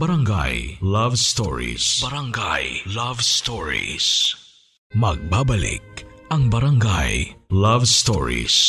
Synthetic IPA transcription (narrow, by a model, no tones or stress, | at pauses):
bɐɾɐŋɡa̰jlavst̪ɔɹḭsbɐɾaŋɡa̰jlavstɔɹḭs | mɐɡ̚babɐlḭk̚ɐŋbɐɾɐŋɡajlavst̪ɔ̰ɹḭs